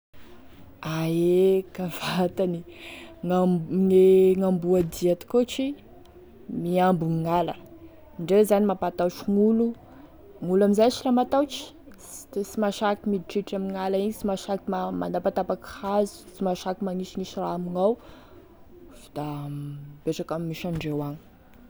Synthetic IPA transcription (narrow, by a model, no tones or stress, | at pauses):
aekav̥at̪aniŋaŋeŋambuad̪iat̪i̥kot͡ʃi | miambuŋiŋalə | iɳɖ͡ʐewzanimapat̪aʈ͡ʂuŋulu | ŋulamizajsilamat̪awt͡ʃi̥ | simaʃakimid̪iʈ͡ʂiʈ͡ʂamiŋalaiɲit͡simaʃakimama̰napat̪apakhazu̥t͡simaʃakimaniʃiniʃiraːmiŋaw | d̪̥a | b̥eʈ͡ʂakammːiʃaɳɖ͡ʐewaɲi̥